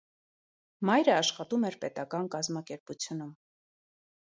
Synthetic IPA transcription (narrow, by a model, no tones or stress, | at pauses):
mɑjɾəɑʃχɑt̪umɛɾpɛt̪ɑkɑnkɑzmɑkɛɾput͡sʰjunum